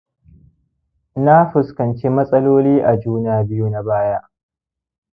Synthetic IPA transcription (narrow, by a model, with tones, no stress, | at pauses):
na˦ɸʊ˨skɐ˨nt͡ʃe˦mɐ˦sʼɐ˦loː˦liː˦ʔa˨d͡ʒuː˦naː˨bɪ˦ju˦na˦baː˦ja˦ʔ